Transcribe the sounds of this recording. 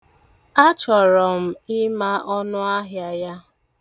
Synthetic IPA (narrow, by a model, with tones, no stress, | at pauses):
a˦t͡ʃɔ˨ɾɔ˨m̩˨ɪ˦ma˦ʔɔ˦nʊ˦a˦ɦja˨ja˦